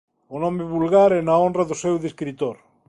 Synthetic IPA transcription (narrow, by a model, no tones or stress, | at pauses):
ʊnɔmɪβulɣaɾɛnaondraðʊsɛwðiskɾit̪oɾ